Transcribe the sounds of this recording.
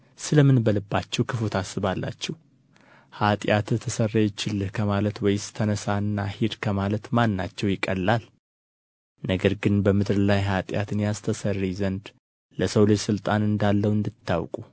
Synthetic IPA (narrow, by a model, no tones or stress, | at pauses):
sɨləmɨnbəlɨbːat͡ʃːɛwkʰɨfot̪ʰasːɨβalːa̰t͡ʃːɛh | hat̪ʼjat̪t̪ʰəsərːajt͡ʃːɪlːɨhkʰəmalət̪wɔjɪst̪ʰənəsaɨnːahid̪kʰəmalət̪manːat͡ʃːɛwjɪkʼːəlːal | nəɡəɾɡɨnbəmɨd̪ɾlajɦat̪ʼja̰t̪ɨnjast̪ʰəsərːizənd̪ | ləsəwlɨd͡ʒsɨlt̪ʼanɨnd̪alːəwɨnd̪ɨt̪ʰːa̰wkʼu